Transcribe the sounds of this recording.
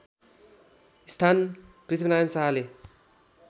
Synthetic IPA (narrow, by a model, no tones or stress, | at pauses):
ist̪ʰanprit̪ʰibnajʌnsaɦale